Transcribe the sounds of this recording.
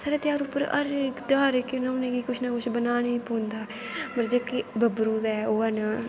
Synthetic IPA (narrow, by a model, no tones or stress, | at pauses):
saːɾeːt̪jaːɾupəɾə̰ɾkd̪aːɾekɪnãʊnẽːkiːkʊt͡ʃʰnaːkʊt͡ʃʰbənaːneĩːpoːnd̪aː | pəɾd͡ʒeːkibʱəbɾuːd̪ɛːoːənaː